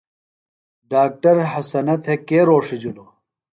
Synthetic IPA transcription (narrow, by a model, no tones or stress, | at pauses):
ɖaːk̚ʈɐɾɦɐsɐnɐt̪ʰhekeːɾoːʂid͡ʑulo